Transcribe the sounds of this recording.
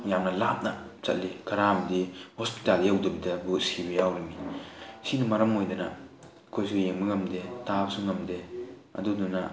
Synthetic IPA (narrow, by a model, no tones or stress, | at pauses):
jamnɐlap̚nɐt͡ʃɐ̰t̚likɐɾamdihospi̥taljɐwdɐbidɐbut̚sibɐjawɾinisinɐmɐɾɐmojdɐnɐ̰ | kʰojsujeŋbɐɡɐmdetabɐsuŋɡɐmdeɐ̰dudunɐ